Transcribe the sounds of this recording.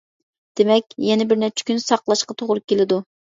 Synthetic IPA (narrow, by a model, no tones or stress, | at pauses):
d̪̥emɛkʲjɛnɪbɪɾnɛp̚t͡ʃʰɪ̥kʲynsɑqlˠɑʃqɑt̪ʰoʁlˠʊp̚kʲʰelɪd̪u